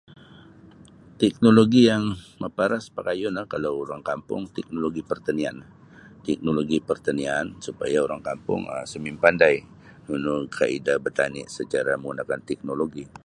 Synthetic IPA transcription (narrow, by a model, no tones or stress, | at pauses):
t̪ɛk̚noloɡijaŋməpaɾaspakajʊnlahkalawuɾaŋkampʊ̰ŋt̪ɛk̚noloɡipərt̪anianh | t̪ɛk̚noloɡipərt̪aniansupajauɾaŋkampʊ̰ŋə̰səmimpandaj | nunʊkʰaidabərt̪anɪ̰ʔsət͡ʃaɾaməŋɡunakant̪ɛk̚noloɡi